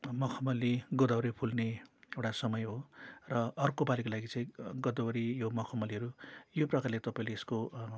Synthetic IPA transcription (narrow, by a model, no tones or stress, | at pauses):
mʌkʰʌmʌliɡʌd̪ʌwɾipʰulneewʈasʌmʌjɦorʌʌrkobalikolaɡit͡sʌĩɡʌd̪ʌwɾijomʌkʰʌmʌliɦʌɾujoprʌkarlet̪ʌpaĩleːsko